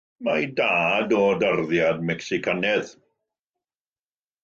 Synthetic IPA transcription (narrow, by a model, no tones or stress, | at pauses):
majdaːdɔdarðjadmɛksɪkʰanɛð